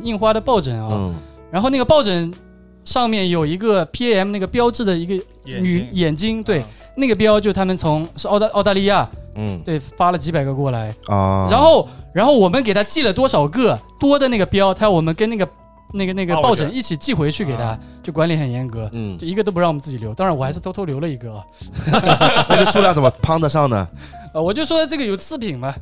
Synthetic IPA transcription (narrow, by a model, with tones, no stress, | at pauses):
i˥˩ŋxwa˥ɾə˨pɑ˥˩ʊʈ͡ʂə˨˩ŋɐ˧ | ɻa˧˥nxo˥˧ʊna˥˩ɡə˧pɑ˥˩ʊʈ͡ʂə˨˩ŋ | ʂɑ˥˧ŋmjɛ˥˩njo˨˩ʊi˧˥ɡə˧pʰi˧˥ɛ˥ɛ˥mna˥˩ɡə˩pjɑ˥ʊʈ͡ʂɻ̩˥˩d̪ə˩i˧˥ɡə˧ | ny˨˩jɛ˨˩nt͡ɕi˥ŋt̪we˥˩ɪ | na˥˩ɡə˩p̬jɑ˥ʊt͡ɕjo˥˩t̪ʰa˥mə˨nt͡sʰʊ˧˥ŋʂ̩˧ɑ˥˧ʊ˧ʔɑ˥˧ʊt̪a˥˧li˥˧ja˥˩t̪we˥˩ɪfa˥lə˨t͡ɕi˧˥pa˨˩ɪɡə˧˥kwɔ˥˩la˧˥ɪɻa˧˥nxo˥˩ʊɻa˧˥nxo˥˩ʊwɔ˨˩mə˦nke˨˩ɪt̪ʰa˥t͡ɕi˥˩lə˩t̪wɔ˥ʂɑ˨˩ʊkɤ˥˩t̪wɔ˥d̪ə˨na˥˩ɡə˩pjɑ˥ʊt̪ʰa˥jwɔ˨˩mə˦nkə˥na˥˩ɡə˩ | na˥˩ɡə˩na˥˩ɡə˩˧pɑ˥˩ʊʈ͡ʂə˨˧˦ŋi˥˩t͡ɕʰi˨˩t͡ɕi˥˩xwe˧˥ɪt͡ɕʰy˥˩ke˨˩ɪt̪ʰa˥t͡ɕjo˥˩ʊk̬wa˧˥nli˧˥xə˨˩njɛ˧˥nkɤ˧˥t͡ɕjo˥˩ʊi˧˥ɡə˧to˥p̬ɑ˥˩ŋwɔ˨˧˦nt͡sɹ̩˥˩t͡ɕi˩ljʊt̪ɑ˥ŋɻnwɔ˨˩xɪʂɻ̩˥t̪ʰʊt̪ʰo˥˧ljo˧˥ʊlə˧i˧˥ɡə˧ɐ˧ | wɔ˨˩t͡ɕo˥˩ʂu˥lja˥t͡sə˨˩mə˦˥pʰɑ˥ŋd̪ə˧ʂɑ˥˩ŋnə̰˩ | ə˧wɔ˨˩t͡ɕjo˥˩ʊʂ̬wɔ˥d̪ə˨ʈ͡ʂɤ˥˩ɡə˩jo˨˩ʊt͡sʰɹ̩˥˩pʰi˨˩ŋmɐ˦